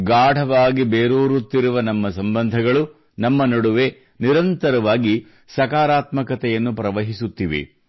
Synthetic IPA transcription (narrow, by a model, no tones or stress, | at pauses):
ɡaːɽʱɐʋaːɡibeːɾuːɾut̪ːiɾuʋɐnɐmːɐsɐmbɐnd̪ʱɐɡɐɭu | nɐmːɐnɐɽuʋe̞ | niɾɐnt̪ɐɾɐʋaːɡi | sɐkaːɾaːt̪mɐkɐt̪ɛjɐnːupɾɐʋɐɦisut̪ːiʋḛ